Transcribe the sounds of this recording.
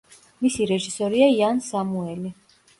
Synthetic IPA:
misiɾɛʒisɔɾiaiansamuɛli

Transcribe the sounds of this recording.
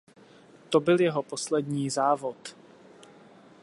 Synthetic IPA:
t̪obɪljɛɦo̞poslɛdɲiːzaːvo̞t̪

